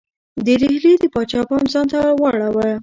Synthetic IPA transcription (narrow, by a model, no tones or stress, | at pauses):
d̪əɾihlid̪əpɑt͡ʃɑpɑmzɑnt̪awɑɽawə